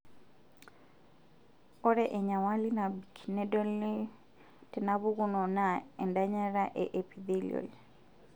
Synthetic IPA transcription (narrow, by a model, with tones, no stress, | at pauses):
ɔ˦ɾɛʔe˨ɲa˨wa˦lina˨bikʰinɛ˦dɔ˦li˦ | tɛ˨na˦βu˦ku˦nɔ˨na˨ɛ˨nda˦ɲa˦ɾa˦ʔeʔe˨pid̪i˦lḭo̰˨l